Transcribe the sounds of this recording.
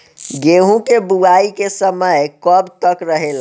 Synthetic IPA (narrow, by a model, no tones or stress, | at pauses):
ɡeɦũkebuaikesəməjkəbt̪əkɾəɦela